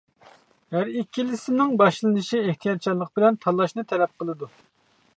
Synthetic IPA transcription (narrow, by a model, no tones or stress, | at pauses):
hæɾikʲʰːilɪsɪnɪŋbɑʃlˠɨnɨʃieht̪ʰijɑt̪̚t͡ʃʰɑɾlˠːəq̚bɪlɛnt̪ʰɑlˠːɑʃnɨt̪ʰɛlɛp̚qʰəlˠɨd̪u